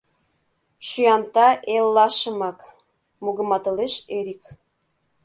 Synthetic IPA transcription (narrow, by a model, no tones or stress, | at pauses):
ʃyjɑnt̪ɑʔelːɑʃəmɑk | moɣə̆mɑt̪ɤ̆leʃeɾik